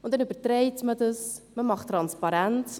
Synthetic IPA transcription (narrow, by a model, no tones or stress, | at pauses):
ʊndɛnybərtreɪtmədəsməmɑχtːrɑnspɑɾænt͡s